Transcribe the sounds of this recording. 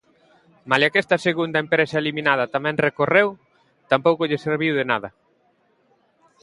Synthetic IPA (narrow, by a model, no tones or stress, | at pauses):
maljakɛst̪ɐseɣund̪ɐempɾesaeliminað̞ɐt̪amɛ̃ŋrekorew | t̪ampowkʊʎɪseɾβiwðenaðɐ